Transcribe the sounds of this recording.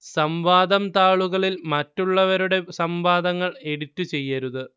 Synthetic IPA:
sɐmʋaːd̪ɐmt̪aːɭuɣɐɭilmɐtːuɭːɐʋɐɾuɽe̞sɐmʋaːd̪ɐŋːɐɭe̞ɽitːut͡ɕe̞jːɐɾuðɨ

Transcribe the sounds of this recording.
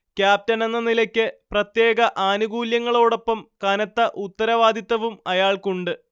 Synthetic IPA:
kʲjaːp̚tɐnenːɐnilɐkʲːɨprɐt̪je̞ːɡɐʔaːnuɡuːljɐŋːɐɭo̞ːɽo̞pːɐmkaːnɐt̪ːɐʔut̪ːɐɾɐʋaːd̪ʱit̪ːɐʋumɐjaːɭkuɳɖɨ

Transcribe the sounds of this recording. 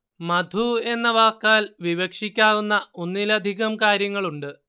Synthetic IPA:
mɐd̪ʱue̞nːɐʋaːkːaːlʋiʋɐkʂikʲːaːɣunːɐonːilɐd̪ʱiɣɐmkaːɾjɐŋːɐɭuɳɖɨ

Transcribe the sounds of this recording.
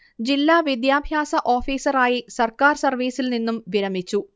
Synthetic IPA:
d͡ʑilːaːʋid̪jaːbʱjaːsɐʔo̞ːfiːsɐraːjisɐrkaːrsɐrʋiːsilninːumʋiɾɐmit͡ɕːu

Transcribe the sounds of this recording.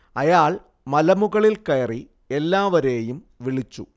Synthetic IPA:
ɐjaːɭ | mɐlɐmuɣɐɭilkɐjɐri | elːaːʋɐɾeːjum | ʋiɭit͡ɕːṵ

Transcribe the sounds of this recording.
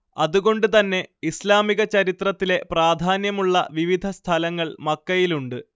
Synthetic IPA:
ɐðuɣo̞ɳɖɨt̪ɐnːe̞islaːmiɣɐt͡ɕɐɾit̪rɐt̪ːile̞praːd̪ʱaːnjɐmuɭːɐ̰ʋiʋid̪ʱɐst̪ʰɐlɐŋːɐɭmɐkːɐjiluɳɖɨ

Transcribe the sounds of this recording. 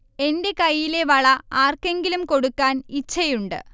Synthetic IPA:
e̞nde̞kɐjːile̞ʋɐɭɐaːrke̞ŋɡilumko̞ɽukːaːnit͡ɕːɐjuɳɖɨ̰

